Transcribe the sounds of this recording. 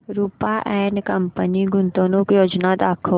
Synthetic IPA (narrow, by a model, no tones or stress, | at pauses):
ɾuːpaʔɛːnkɐmpəniɡʊnt̪õnũkjoːd͡ʒnad̪aːkʰə